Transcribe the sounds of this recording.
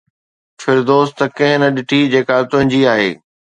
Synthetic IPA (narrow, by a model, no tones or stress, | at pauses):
fɪɾd̪oːst̪ɐkɐ̃ɦɪ̃nɐɗɪʈʰid͡ʑeːkat̪ʊ̃ɦɪ̃d͡ʑiaːɦḛː